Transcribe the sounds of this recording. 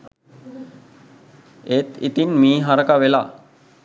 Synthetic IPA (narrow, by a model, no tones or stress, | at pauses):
et̪ḭt̪inmiːɦaɾəkaʋela̰